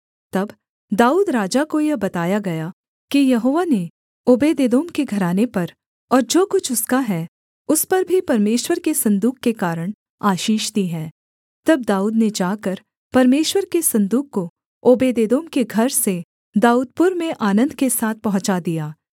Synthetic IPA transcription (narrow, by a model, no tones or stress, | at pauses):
t̪ɐb | d̪aːuːd̪ɾaːd͡ʒakojɐbɐt̪aːjaɡɐja | kijɐɦoːʋane | oːbeːd̪eːd̪oːmkeɡʱɐɾaːnepɐɾ | ɔːɾd͡ʒoːkʊt͡ʃʰʊskaɦɛː | ʊspɐɾbʱipɐɾmeːʃwəɾkesɐ̃nd̪uːkːekaːɾəɽ̃ | aːʃiːʃd̪iɦɛ̃ː | t̪ɐb̚d̪aːuːd̪ned͡ʒaːkəɾ | pɐɾmeːʃwəɾkesɐ̃nd̪uːkkːo | oːbeːd̪eːd̪oːmkeɡʱɐɾse | d̪aːuːd̪̚pʊɾmẽʔaːnə̃nd̪kesaːt̪̚ʰpɐɦʊ̃t͡ʃad̪ijaː